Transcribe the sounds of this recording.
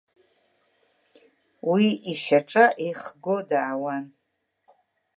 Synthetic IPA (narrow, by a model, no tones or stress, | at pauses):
wiiʃaʈ͡ʂʼaʔeχɡodaʕawan